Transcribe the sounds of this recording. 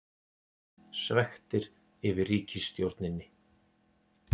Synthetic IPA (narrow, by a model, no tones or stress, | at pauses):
svɛxt̪ɪɾ | ɪvɪriːcʰɪst̪jowɾt̪nɪnːɪ